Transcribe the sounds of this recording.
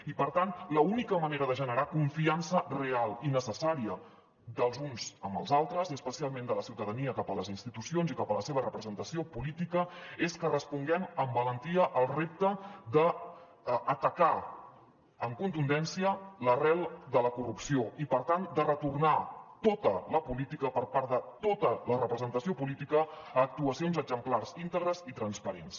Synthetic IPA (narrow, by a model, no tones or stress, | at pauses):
ipəɾt̪anləunikəməneɾəðəʒənəɾakuɱfiansərealˠinəsəsaɾiə | d̪əlˠzunzəmbə̰lˠzalˠt̪ɾəzəspəsialˠmẽnd̪ələsiwt̪əðəniəkapələzinst̪it̪usionzikapələseβərəpɾəzənt̪əsiopulit̪ikəeskərəspuŋɡɛməmbələnt̪iəʔəlˠrep̚t̪əd̪əː | t̪əka | əŋkunt̪und̪ɛnsiələrɛlˠd̪ələkurupsioipəɾt̪and̪ərət̪urnat̪ot̪ələpulit̪ikəpəɾpaɾðət̪ot̪ələrəpɾəzənt̪əsiopulit̪ikəːk̚t̪uəsionzəɡzəmplarzint̪əɣɾəzit̪ɾənspəɾens